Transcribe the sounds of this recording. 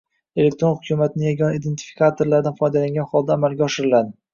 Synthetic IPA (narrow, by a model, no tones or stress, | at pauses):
e̞lek̚t̪ɾo̞nhʊkʲʰumat̪nɪjaɡʲɒnaid̪e̞nt̪ʰi̥fi̥kʰat̪ʰoɾlaɾɪd̪anfɒjd̪alaŋɡʲanχɒlˠd̪aːmalɡʲaɒʃɪɾɪlad̪ɪ